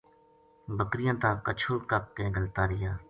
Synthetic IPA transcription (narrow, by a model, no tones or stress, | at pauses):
bəkɾɪjãːt̪ãːkət͡ʃʰuːɾkəp̚k̪ẽːɡəlt̪aːɾɪjaː